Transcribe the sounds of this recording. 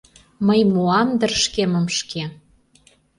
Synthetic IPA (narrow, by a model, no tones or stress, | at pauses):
məjmuɑmd̪ə̆rʃkemə̆mʃke